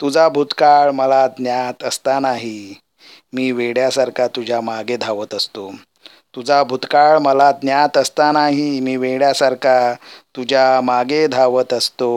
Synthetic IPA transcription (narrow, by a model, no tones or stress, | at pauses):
t̪ud͡zabʱut̪kaɭməlad̪njat̪əst̪anaɦi | miːʋeɽjasaɾkat̪ud͡ʑʱjamaɡed̪ʱaʋət̪əst̪o | t̪ud͡zabʱut̪kaɭməlad̪njat̪əst̪anaɦimiːʋeɭjasaɾkat̪ud͡ʑʱamaɡed̪ʱaʋət̪əst̪o